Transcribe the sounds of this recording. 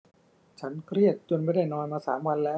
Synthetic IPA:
t͡ɕʰa˦˥nkʰɾi˥˩ət̪̚t͡ɕo˧nma˥˩jda˥˩jnɔː˧nmaː˧saː˩˦mwa˧nlɛː˦˥w

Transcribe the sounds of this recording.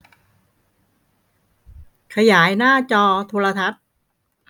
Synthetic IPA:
kʰa˧jaː˩˦jnaː˥˩t͡ɕɔː˧t̪ʰoː˧la˧t̪ʰa˦˥t̪̚

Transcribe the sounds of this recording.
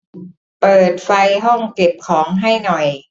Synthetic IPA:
pɤː˨˩t̪̚fa˧jɦɔ˥˩ŋke˨˩p̚kʰɔː˩˦ŋɦa˥˩jnɔ˨˩j

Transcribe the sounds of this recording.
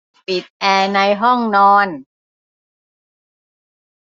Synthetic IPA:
pi˨˩t̪̚ʔɛː˧na˧jɦɔ˥˩ŋnɔː˧n

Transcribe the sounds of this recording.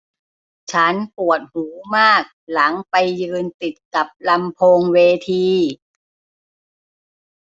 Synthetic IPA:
t͡ɕʰa˦˥npu˨˩ət̪̚huː˩˦maː˥˩k̚la˩˦ŋpa˧jːɯː˧nt̪i˨˩t̪̚ka˨˩p̚la˧mpʰoː˧ŋweː˧t̪ʰiː˧

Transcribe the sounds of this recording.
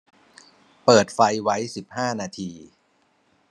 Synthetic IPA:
pɤː˨˩t̪̚fa˧jwa˦˥jsi˨˩p̚haː˥˩naː˧t̪ʰiː˧

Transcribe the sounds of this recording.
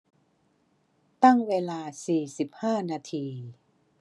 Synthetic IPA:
t̪a˥˩ŋweː˧laː˧siː˨˩si˨˩p̚haː˥˩naː˧t̪ʰiː˧

